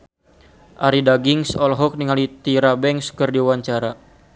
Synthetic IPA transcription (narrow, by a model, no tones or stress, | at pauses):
ʔaɾidaɡiŋsɔlɦɔk̚niŋalit̪iɾabɛŋskərdiuwaɲt͡ʃaɾa